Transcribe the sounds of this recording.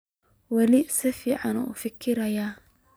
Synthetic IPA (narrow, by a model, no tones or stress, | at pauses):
wɛlɪsɪfiːʕɑnṵfɪkʰːɪɾɐja